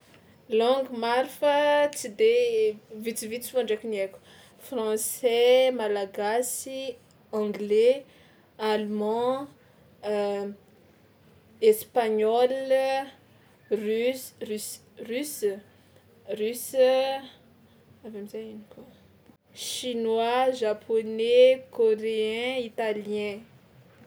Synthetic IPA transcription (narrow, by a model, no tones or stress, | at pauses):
lɔ̃ŋɡmaɾifət͡sid̪evit͡sivit͡siãɳɖ͡ʐekuniekʲu̥ | frɑ̃sɛmalaɡasi | ɑ̃ɡle | almɑ̃ | espaɲɔl | s | rys | rys | avemizajinikwa | ʃinwaʒapʰonekoɾeɛ̃it̪alijɛ̃